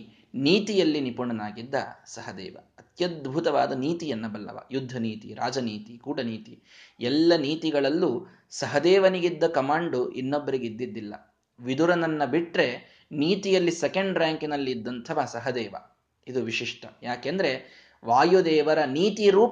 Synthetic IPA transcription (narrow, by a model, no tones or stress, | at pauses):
niːt̪ijɐlːinipuɳɐnaːɡid̪ːɐ̰sɐɦɐd̪ɛ̰ːʋɐ̰ɐt̪jɐd̪̚bʱut̪ɐʋa̰ːd̪ɐniːt̪ijɐnːɐbɐlːɐ̰ʋɐ̰jud̪ʱːɐniːt̪iɾa̰ːd͡ʒɐniːt̪ikuːɽɐniːt̪i | ɛlːɐniːt̪iɡɐɭɐlːu | sɐɦɐd̪ɛːʋɐniɡid̪ːɐkɐmaːɳɖuʔinːobːɐɾiɡeid̪ːid̪ːilːɐ̰ | ʋid̪uɾɐnɐnːɐbiʈɾe̞ | niːt̪ijɐlːisɛkɐɳɖɾaːŋkinɐlːiːd̪ːɐnt̪ʰɐʋasɐɦɐd̪ɛːʋɐ̰ | id̪uʋiʂiʂʈʰɐjaːkend̪ɐɾe̞ | ʋaːjud̪ɛːʋɐɾɐniːt̪iɾuːp